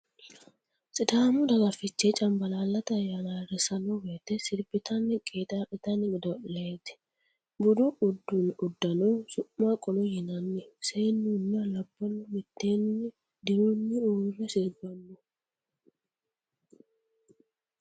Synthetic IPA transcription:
sɪd̪aːmʊd̪ɐɡɐfɪt͡ʃːet͡ʃʼɐmbɐlaːlːɐt̪ɐjaːlaːrɛsɐnɔweːt̪ːɛsɪɾbɪt̪ʰɐnːɪkʼeːt̪ʼaʔɪt̪ɐnɪɡɪd̪ɔʔleːt̪ɪ̥ | bʊd̪ʊʊd̪ːʊnʊd̪ːɐnɔsʊʔːakʼɔlɔjɪnɐnːɛseːnːunɐlɐbːɔnːɔmɪt̪ːeːnːɪ | d̪ɪɾʊnːɪuːrɛsɪɾbɐmːʊ

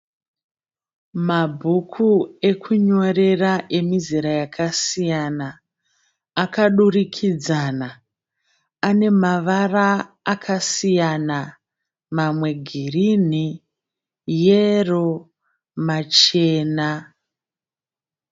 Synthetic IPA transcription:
mabʱukʰue̞kʰuɲo̞re̞raʔe̞miziɾajakʰasijanaː | kaɗurikʰid͡zana | ane̞maʋaraː | kʰasijana | mamwe̞ɡʱirin̤i | jero̞ | mat͡ʃe̞ːna

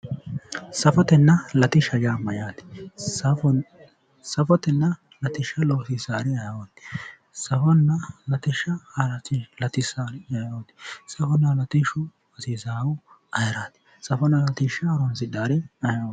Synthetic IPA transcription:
sɐfɔt̪ɛnːɐlɐt̪ɪʃɐd͡ʒaːmɐjaːt̪ɪ̥sɐ | sɐfɔt̪ɛnːɐ | lɐt̪ɪʃːɐloːsisaːɾɪɐjɐwɔt̪ːɪ̥ | sɐfɔnːɐlɐt̪ɪʃɐɐɾɐtːɪlɐt̪ɪsaːɾɐjoːt̪ːɪ̥sɐfɔnːɐlɐt̪ɪʃʊ | ɐsiːzaːwʊ | ɐjɾaːt̪ɪ̥ | sɐfɔnːɐlɐt̪ɪʃːɐːɾɔnsɪd̪aːɾɪɐjawɔ

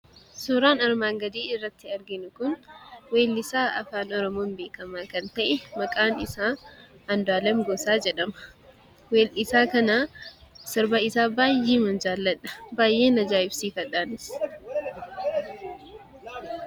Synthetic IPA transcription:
sʊɾaːnɐɾmaːŋɡɐd̪iːɪrːɐt̪ːɪɐɾɡɪnʊkʊnweːlːɪsaːʔɐ̰faːnɔɾɔmoːnbeːkɐmaːkɐnt̪ɐʔɛmɐkʼaːnɪsaː | ɐnd̪ʊaːlɐmɡosaːd͡ʒɛᶑɐmɐ̥ | weːlɪsaːkɐnaːsɔɾbɐɪsaːbaːjːeːmɐnd͡ʒaːlːɐᶑɐ̥baːjʔe̞ːnɐd͡ʒaːɪbsiːfɐᶑaːnɪs

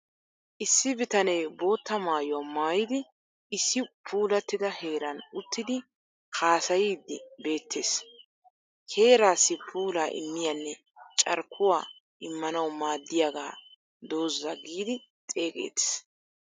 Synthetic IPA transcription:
ʔɪsːɪbɪt̪ɐnɛjbo̞ːt̪ːɐmaːjʊwamaːjɪd̪ɪ | ɪsːɪpʰuːlɐt̪ːɪd̪ɐhe̞ːɾɐnʊt̪ʰːɪd̪ɪ | kaːsɐjiːd̪ːɪbe̞ːt̪ʰːe̞ːs | he̞ːɾaːsːɪpʰuːlaːʔɪ̰mːɪjanːɛ | t͡ʃʼɐ̰ɾkʰːʊwaː | ʔɪmːɐnɐwmaːd̪ːɪjaɡaː | d̪o̞ːzːɐɡiːd̪ɪt̪ʼe̞ːkʼḛːt̪e̥s

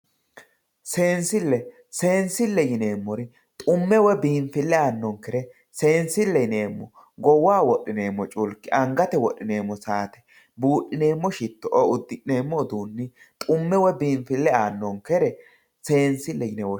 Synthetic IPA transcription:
se̞ːnsɪlːɛ | se̞ːnsɪlːɛjɪne̞ːmːɔɾɪ | t̪ʼʊmːɛwɛbiːɱfɪlːɛaːnːɔŋkɛɾɛ | se̞ːnsɪlːɛjne̞ːmːɔ̰ | ɡɔwaːwɔʔɪne̞ːmːɔt͡ʃʼʊlkɪʔɐŋɡɐt̪ɛwɔɗːɪneːmːɔsaːt̪ɛ̥ | buːᶑːɪneːmːɔʃɪt̪ːɔʔɔʊd̪ːɪʔneːmːɔd̪uːnːɪ | t̪ʼʊmːɛwɛbiːnfɪlːɛaːnːɔŋkɛɾɛ | se̞ːnsɪlːɛjɪnɛwɔ

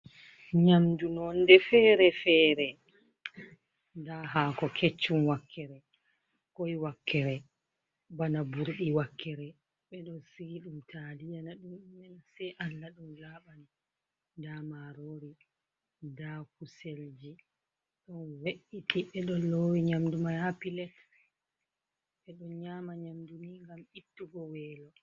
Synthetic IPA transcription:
ɲamdunɔndɛfɛːɾɛfɛɾɛ | daɦakɔkʰet͡ʃːumwakʰːɛɾɛ | kojwakːɛɾɛ | banabuɾɗiwakːɛɾɛ | ɓɛɗɔsiɡiɗumtʰalijanaɗumːɛnsɛʔalːaɗunlaɓani | damaɾoɾi | dakuseld͡ʒi | ɗɔnweʔitʰiɓɛɗɔloːwiɲamdumahapilɛt | ɓɛɗɔɲaːmaɲamdumiŋɡamitːuɡɔwɛːlɔ

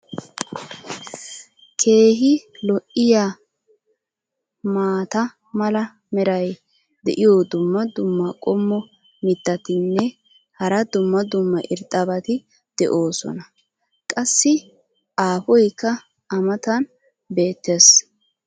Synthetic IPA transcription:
kʰe̞ːɦɪlɔʔɪjaː | maːt̪ɐ | mɐlɐ | mɛɾɐj | d̪ɛ̰ʔɪjod̪ʊmːɐd̪ʊmːɐkʼɔmːɔ | mɪt̪ːɐt̪ɪnːɛ | hɐɾɐd̪ʊmːɐd̪ʊmːɐʔɪ̰ɾt̪ʼːɐbɐt̪ɪ | d̪̥ɛʔo̞ːsɔ̰nɐ | kʼɐsːɪ | ʔaːfɔjkːɐ | ɐmɐt̪ɐn | be̞ːt̪ːes

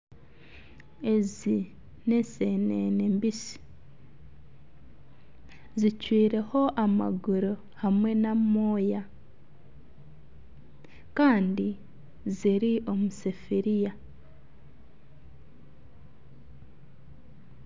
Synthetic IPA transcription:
e̞zi | nesenenembisi̥ | zicwiːɾe̞ho̞ʔama̰ɡuɾo | hamwe̞namoːja | kaːndi | ziɾiʔo̞musefiɾija

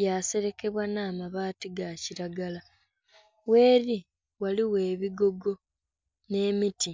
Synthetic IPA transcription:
jaːse̞ɾe̞ke̞βwanaːmaβaːtiɡaciɾaɡala | we̞ːɾi | waliwe̞ːβiɡo̞ɡo̞ | ne̞miti

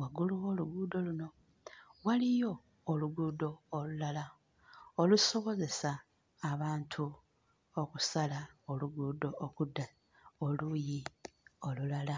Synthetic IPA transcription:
waɡuluwo̞ːluɡuːdo̞luno̞ | walijo̞ː | luɡuːdo̞ːlulala | oluso̞βo̞ze̞saː | βaːntʰu | okusalaoluɡuːdo̞ʔːkuda | olujio̞lulala

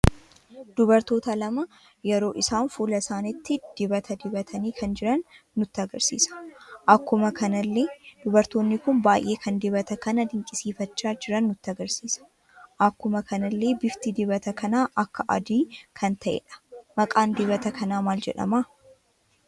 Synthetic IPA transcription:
d̪̥ʊbɐɾt̪o̞ːt̪ɐlɐmɐ | jɛɾo̞ːʔɪsaːnfuːlɐsaːnɪt̪ːɪd̪̥ɪbɐt̪ʰɐd̪ɪbɐt̪ʰɐniːkʰɐnd͡ʒɪɾɐnː | ʊt̪ːɐɡɐɾsḭːsɐ̥ʔɐkːʊmɐkʰɐnɐlːeːd̪̥ʊbɐɾt̪o̞ːnːɪkʊnbaːjʔeːkʰɐnd̪ɪbɐt̪ɐkɐnɐd̪ɪŋkʼɪsiːfɐt͡ʃːaːd͡ʒɪɾɐnːʊt̪ːɪɐɡɐɾsiːsɐ̥ | ʔɐkːʊmɐkʰɐnɐlːe̞ːbɪft̪id̪ɪbɐt̪ɐkɐnaːʔɐkːɐʔɐ̰d̪iːkʰɐnt̪ʰɐʔɛ̰ᶑɐ̥mɐkʼaːnd̪ɪβɐt̪ɐkʰɐnaːmaːld͡ʒɛᶑɐ̰maː

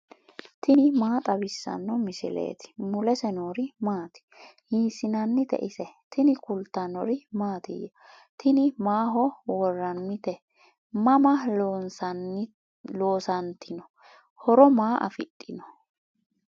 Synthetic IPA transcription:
t̪ʰɪnɪmaːt̪ʼɐbɪsːɐ̰nːɔmɪsɪ̰lḛːt̪ɪ̥mʊlɛsɛnoːɾɪmaːt̪ɪ̥hiːsɪnɐnːɪt̪ɛ̰ʔɪsɛt̪ʰɪnɪkʊlt̪ːɐnɔɾɪmaːt̪ɪ̰jɐ | t̪ʰɪnɪmaːɦɔwɔrːɐnːɪt̪ɛ | mɐmɐns | loːsɐnt̪ʰɪnɔ | hɔɾɔmaːʔɐ̰fɪt̪ʼːɪnɔ

